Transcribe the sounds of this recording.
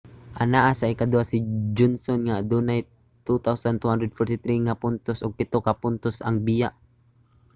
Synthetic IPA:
ʔanaʔasaɪkad̪uasid͡ʒɔnsɔnŋad̪unaj | t̪ut̪awsant̪uhand̪ɾɛd̪̚fɔɾt̪it̪ɾiŋapʊnt̪ʊsʊɡ̚pɪt̪ʊkapʊnt̪ʊsaŋbijaʔ

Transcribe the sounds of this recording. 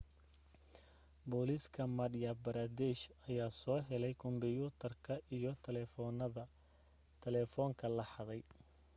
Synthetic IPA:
bɔːliskʰɐmɐdjabɐɾaːd̪ɛʃɐjaːsɔːɦɛlɛjkʰʊmbɪjuːt̪ʰɐrkʰɐʔijɞt̪ʰlɛnðɐ | t̪ʰɛlɛːfɔːŋkʰɐlɐħɑðɛj

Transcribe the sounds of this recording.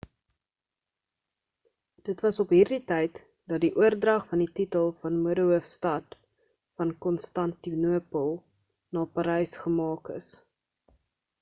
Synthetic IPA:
d̥ətvɐsɔpɦiːrditɛjt | dɐt̚diʔuərdrɐχfɐndititəlˠfɐnmuədəuəfstɐt | fɐnkɔnstɐntinuəpəlˠ | nɑːpɐɾɛjsχəmɑːkə̰s

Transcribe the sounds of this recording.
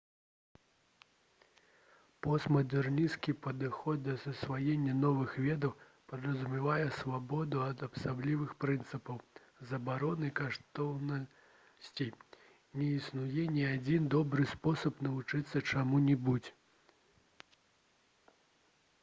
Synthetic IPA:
pɔst̪mɐd̪ɛrnʲiskʲipɐd̪ɨxɔt̪̚d̪ɐsɐsvajenʲːɐnɔvɨxvʲɛd̪ɐw | pɐd̪ɾɐzumʲɛvajɛsvabɔd̪uɐd̪ɐpsablʲivɨxpɾɨnt̪sɨpɐw | zɐbaɾɔnɨkaʂt̪ɔwnɐ | sʲt͡sʲi | nʲɛisnujɛnʲiad͡zʲind̪ɔbɾɨspɔsɐpnɐvut͡ʂɨt̪sːɐt͡ʂamunʲibud͡zʲ

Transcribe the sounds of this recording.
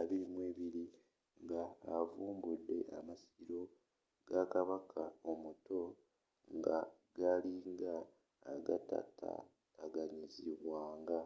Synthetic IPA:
aβiɾimweːβiɾi | ŋɡaːvuːmbudːe̞̰ʔamasiɾo̞ | ɡ̥akaβakʰaomuto̞ | ŋɡa | ɡaliŋɡaː | ɡa̰ta̰tʰa̰ː | ɡaɲiziβwaːŋɡa

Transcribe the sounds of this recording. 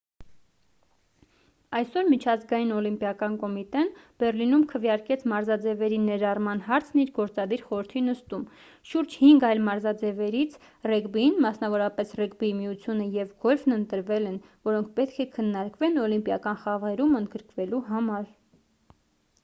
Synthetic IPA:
ɑjsɔɾmit͡ʃʰɑzɡɑjinɔlimpjɑkɑnkɔmit̪ɛnb̥ɛrlinumkʰəvjɑɾkɛt͡sʰmɑɾzɑd͡zɛvɛɾinɛɾɑrmɑnhɑɾt͡sʰniɾɡɔɾt͡sɑd̪iɾχɔɾəɾt̪ʰinəst̪um | ʃuɾd͡ʒhiŋɡɑjlmɑɾzɑd͡zɛvɛɾit͡sʰ | rɛɡbinmɑsnɑvɔɾɑpɛsrɛkbimijut͡sʰjunəjɛvɡɔlvnənt̪əɾvɛlɛnvɔɾɔŋkʰpɛt̪̚kʰɛkʰənːɑɾkvɛnɔlimpjɑkɑnχɑvʁɛɾumənd̪ɡəɾkvɛluɦɑmɑɾ

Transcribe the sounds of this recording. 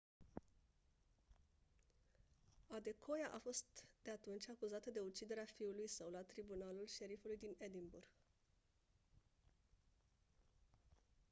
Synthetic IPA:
ad̪e̞kʰo̞jaʔafo̞st̪d̪̥e̞at̪unt͡ʃʲakuzat̪əd̪e̞ut͡ʃid̪e̞ɾeafiulujsəwlat̪ɾibunalulʃe̞ɾifulujd̪ined̪imburɡ̥

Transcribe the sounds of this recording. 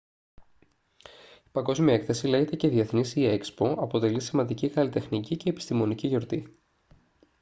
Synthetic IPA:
i̥pɐŋɡo̞zmiɐekθe̞sile̞ʝet̪ece̞ðie̞θnisiekspo̞ʔɐpo̞t̪e̞lisimɐnd̪iciɣɐlit̪e̞xnicice̞ːpi̥st̪imo̞niciʝo̞ɾt̪i

